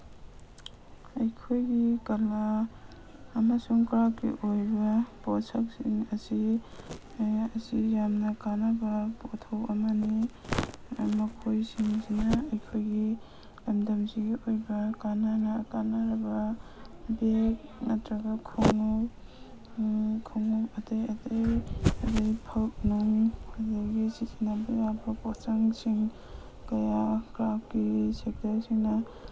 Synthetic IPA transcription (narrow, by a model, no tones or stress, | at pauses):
ɐjkʰojɡikɐlaː | masuŋkɾakːḭʔojbɐposɐk̚sḭŋɐsi | ɐsijamnɐkanabɐpotʰɐwɐmani | mɐkʰojsiŋzinaɐjkʰojɡi | lɐmdɐmziɡiʔojbɐkananɐkanaɾɐbɐ | bek̚mɐtɾɐɡakʰoŋo | kʰoŋɔkɐtɐjɐdɐjɐdɐjpʰɐlp̚nuŋɐdajɡisisʰinabɐjabɐposaŋsiŋ | kɐjakɾapkisek̚tɐɾsiŋnɐ